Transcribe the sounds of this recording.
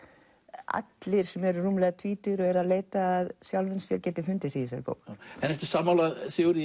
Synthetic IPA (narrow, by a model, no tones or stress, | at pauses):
a̰t̪lɪɾ̥sɛmɛɾruːmlɛɣat̪ʰviːt̪ʏɾɔɣɛɾaðleːjt̪aːðsjawlʏnsjɛɾcɛːt̪ɪfʏnt̪ɪsiːɪsɛ̰lpo̰wɛnɛft̪ɪ̥saːmawlaðsɪuɾ